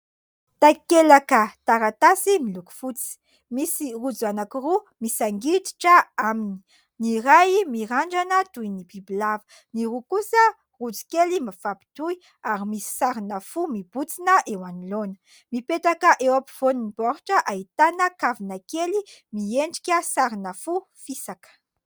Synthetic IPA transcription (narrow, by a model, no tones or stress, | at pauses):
t̪akelakət̪aɾat̪asimiluku̥fut͡si̥ | misirud͡zuanakiru | misaŋɡit̪i̥ʈ͡ʂəamini̥ | niɾajmiɾaɳɖ͡ʐanət̪ujnibibilavə̥ | niɾukusə | rud͡zu̥kelimafapi̥t̪uj | aɾimisi̥saɾinəfumib̥ut͡sinəʔewanilonə̥ | mipet̪akəʔewapi̥v̥oninipɔɾuʈ͡ʂəʔait̪anəkavinəkelimieɳɖ͡ʐi̥kʲəsaɾinəfu | fisakə̥